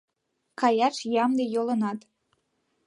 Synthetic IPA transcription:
kɑjɑʃjɑmd̪ejolɤ̆nɑt̪

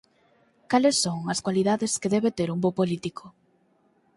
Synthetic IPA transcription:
kalesːoŋɐskwaliðaðeskeðɛβet̪eɾumbopolit̪ikʰo

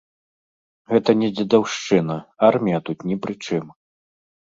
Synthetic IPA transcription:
ɣɛt̪ɐnʲɛd͡zʲɛd̪awʂt͡ʂɨnɐarmʲijɐt̪ut̪nʲɛpɾɨt͡ʂɨm

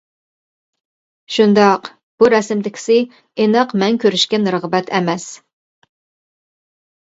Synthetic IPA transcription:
ʃund̪ɑq | b̥uɾɛsɪmd̪ɪkʲʰɪ̥sɪ | enəqmɛŋkʲʰøɾyʃkʲɛnɾəʁbɛt̪ʰɛmɛs

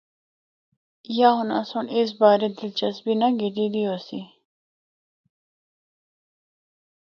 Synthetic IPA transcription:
jaɦʊna̰sones̬baːɾed̪ɪlt͡ʃɐsbinɐɡid̪id̪iosi

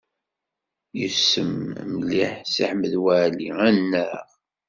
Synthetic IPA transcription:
jəsəmmliħsiħməðwæʕliænːæʁ

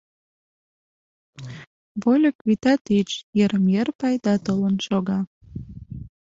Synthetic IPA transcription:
βolʲəkβit̪ɑt̪it͡ʃjeɾəmjerpɑjd̪ɑt̪ələnʃoɣɑ

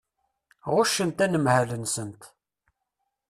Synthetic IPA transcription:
ʁʊʃənt̪ænəmhælənsənt̪

